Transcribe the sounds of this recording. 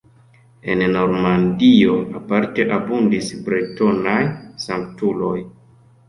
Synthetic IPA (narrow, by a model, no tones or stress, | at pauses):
e̞nno̞ɾmandio̞apaɾte̞ʔabundisbɾito̞najsaŋktulo̞j